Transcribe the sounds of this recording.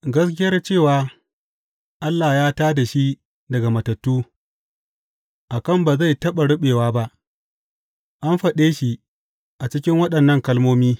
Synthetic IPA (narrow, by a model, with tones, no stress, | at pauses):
ɡɐ˦skʲɪ˦jɐ˦rt͡ʃeː˦˨waː˨ | ʔa˦lːaː˨jaː˦taː˦da˨ʃi˦ | dɐ˨ɡa˨mɐ˨tɐ˨tːuː˦ | ʔa˨kɐ˦˨mba˨za˦˨jtɐ˦ɓa˨ɽʊ˦ɓeː˨waː˦ba˦ʔ | ʔa˦mɸɐ˨ɗeː˦ʃi˦ | ʔa˨t͡ʃɪ˦kʲɪ˦ŋwɐ˦ɗɐ˨nːɐ˦˨ŋkɐ˦lmoː˦miː˦